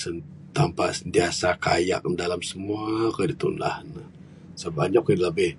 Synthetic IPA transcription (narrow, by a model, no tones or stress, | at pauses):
sə | t̪ampa̰ʔsənt̪iasakaja̰k̚dalamsəmuakədit̪ṵna̰hnə | səbaɲakinləbɪh